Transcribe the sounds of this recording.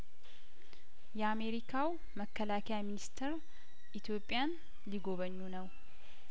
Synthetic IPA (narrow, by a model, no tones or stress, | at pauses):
jɛame̞ɾikʰaw | məkʰːəlakʰɛjaminist̪ʰɛɾ | ʔit̪ʰjo̞pʼːjan | liɡo̞βəɲːunəw